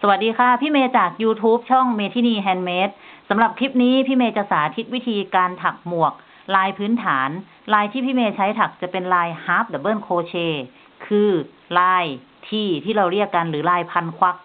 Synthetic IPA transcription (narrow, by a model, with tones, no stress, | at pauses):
sa˧wa˨˩t̪̚diː˧kʰa˥˩pʰiː˥˩˨meː˧t͡ɕaː˨˩k̚juː˧t̪ʰuː˦˥p̚t͡ɕʰɔ˥˩ŋmeː˧t̪ʰiː˧˩niː˧˩ɦɛː˧nmeː˦˥t̪̚sa˩˦mɾa˨˩p̚kʰɾi˦˥p̚niː˦˥pʰiː˥˩meː˧t͡ɕa˨˩saː˩˦t̪ʰi˦˥t̪̚wi˦˥t̪ʰiː˧kaː˧nt̪ʰa˨˩k̚mu˨˩ək̚ | laː˧jpʰɯː˦˥nt̪ʰaː˩˦n | laː˧jt̪ʰiː˥˩pʰiː˥˩meː˧t͡ɕʰa˦˥jt̪ʰa˨˩k̚t͡ɕa˨˩pe˧nlaː˧jhaː˦˥p̚d̪a˨˩bɤː˥˩˨nkʰoː˧t͡ɕʰeː˧ | kʰɯː˧ | laː˧j | t̪ʰiː˧˩t̪ʰiː˥˩ɾa˧wɾi˥˩əkːa˧nɾɯː˩˦laː˧jpʰa˧nkʰwa˦˥k̚